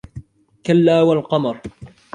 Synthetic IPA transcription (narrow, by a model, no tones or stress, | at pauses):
kalːaːwalqɑmɑɾˤ